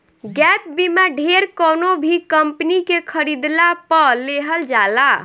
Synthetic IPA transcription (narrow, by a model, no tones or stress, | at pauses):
ɡɛp̚bimaɖʱeɾkənobʱikəmpnikekʰəɾid̪lapəleɦəld͡ʒala